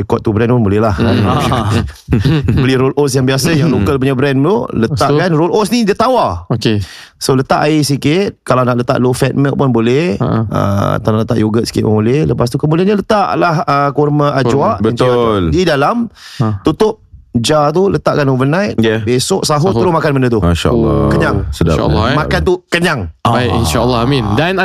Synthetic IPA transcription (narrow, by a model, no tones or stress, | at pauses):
əkɔt̪̚t̪ːubɾɛnpʊnbolɛhlah | bəliɾolʔosjaŋbiasəjaŋlokəlpuɲabɾɛnməlolət̪aʔkanrolʔosnidit̪awaoke | solət̪a̰ʔaisikɪt̪̚kalawnaʔlət̪a̰ʔlofɛt̪̚mɛʔpʊnbolɛhə̰t̪anaʔlət̪aʔjoɡət̪si̥kɪt̪̚pəmolɛhləpas̬t̪ukəmudianɲalət̪aʔlahəkurməʔad͡ʒuaʔbəinldidalamt̪ut̪ʊp̚d͡ʒat̪̬ulət̪aʔkanovənajt̪̚jabesoʔsaɦut̪əɾʊsmakanməndət̪uʃa̰kəɲaŋsəda̰ːmakant̪ukəɲaŋbakḭnʃaəlːɔamĩndan